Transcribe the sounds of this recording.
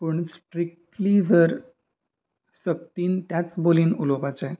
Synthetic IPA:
pəɳsʈɾik̚t̪lid͡zʱəɾ | sək̚t̪iːnt̪jat͡sboliːnulopat͡sa

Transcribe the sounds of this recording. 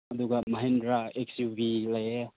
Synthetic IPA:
ɐd̪uɡamɐɦendɾaeksjubilaje

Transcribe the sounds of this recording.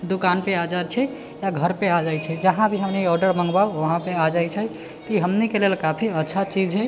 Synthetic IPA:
d̪ukanpead͡ʒat͡ʃʰɛ | jaɡʱəɾpead͡ʒajt͡ʃʰɛd͡ʒəɦãbʱiɦəmniɔɾɖəɾmə̃ŋɡbauʋəɦãpead͡ʒajt͡ʃʰɛ | kiɦəmnikelelkapʰiətːʃʰat͡ʃid͡ʒɦɛ

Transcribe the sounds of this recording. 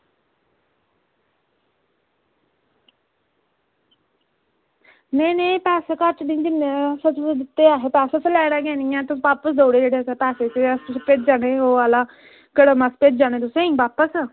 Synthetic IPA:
neːnẽːpɛːseːkəɾt͡ʃnĩːd͡ʒ̪ɪnesət͡ʃd̪ɪt̪ːeːaːɦeːpɛːsat͡ʃəlɛːɽãːɡɛːnɪjãːt̪ʊʋaːpəsd̪oːɽeːd͡ʒeːɽeːsapɛːseːt̪eəssped͡ʒ̚d͡ʒaːɽeːoːaːlaː | kəɽomasped͡ʒd͡ʒaːñeːt̪ʊsẽːĩːʋaːpəs

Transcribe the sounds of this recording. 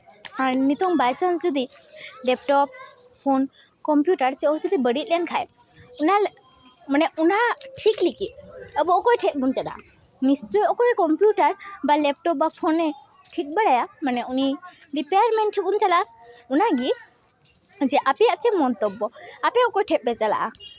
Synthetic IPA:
aɾnit̪ɔŋbajt͡ʃansd͡ʒɔd̪ilɛp̚ʈɔp̚ | pʰonkɔmpjuʈaɾt͡ʃɛɔɦt͡ʃud̪ibəɽit̪̚ˀlɛnkʰaj | una | manɛʔunaʈʰiklikit̪̚əbɔɔkɔjʈʰek̚bunt͡ʃala̰ | nist͡ʃɔjɔkɔjkɔmpjuʈaɾbalɛp̚ʈɔp̚bapʰonɛʈʰik̚ˀbəɽajamanɛuniɾipejaɾmɛ̃ɳʈʰɛbunt͡ʃalaʔa | unaɡi | d͡ʒɛʔapɛat͡ʃɛmɔnt̪ɔbːɔapɛɔkɔjʈʰɛp̚bɛt͡ʃala̰ʔa̰

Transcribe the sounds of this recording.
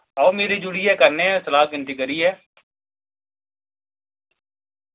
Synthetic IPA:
aomeːɾid͡ʒʊɽiɦɛːkəɾneɛsəlaːkɪ̃nt̪ikəɾiɦɛː

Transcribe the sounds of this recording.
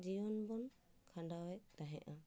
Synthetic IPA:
d͡ʒijɔnbɔn | kʰaɳdawɛd̪aɦɛʔã

